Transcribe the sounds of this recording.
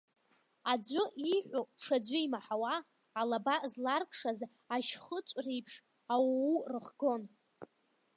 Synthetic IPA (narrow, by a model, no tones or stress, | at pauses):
ad͡ʒʷʊʔiħʷoʂʰad͡ʒʷʊimaħawaː | labazlarkʼʰʂaz | aʃχət͡ʃʷʼrejpʰʂ | awwurɨχɡo̞n